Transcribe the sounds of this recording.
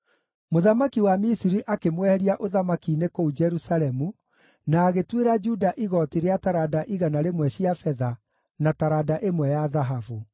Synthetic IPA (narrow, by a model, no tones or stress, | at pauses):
moðamakiwamisiɾiʔakemwɛhɛɾiaʔoðamakinekoud͡ʒɛɾusalɛmu | naːɣetweɾad͡ʒudaʔiɣɔtiɾeataɾadaʔiɣanaɾemwɛɕiafɛða | nataɾadaʔemwɛjaðaɦavu